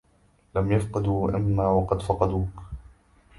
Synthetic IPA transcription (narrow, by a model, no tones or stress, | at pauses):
lamjafqɨd̪uːʔɪ̰mːaːwɑqɑd̪fɑqɑd̪uːk